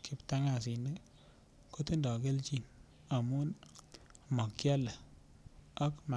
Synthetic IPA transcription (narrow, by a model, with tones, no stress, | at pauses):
ki˦pta˦ŋa˨s̬i˨nde˦ | ko˦ti˦ndɔ˨ke˦lt͡ʃi˦n | a˨mu˦n | mɔ˨kja˦la˨ | a˦kma˨